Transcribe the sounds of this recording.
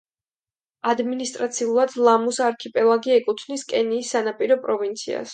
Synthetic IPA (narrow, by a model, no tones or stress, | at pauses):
ad̪minist̪ʼɾat̪sʰiulˠad̪lˠamusaɾkʰipʼɛlˠaɡiɛkʼut̪ʰvniskʼɛniːsːanapʼiɾɔpʼɾɔvint̪sʰḭa̰s